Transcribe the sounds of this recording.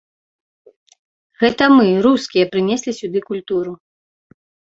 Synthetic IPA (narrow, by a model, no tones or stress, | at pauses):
ɣɛt̪ɐmɨɾuskʲijɐpɾɨnʲesʲlʲisʲud̪ɨkulʲt̪uɾu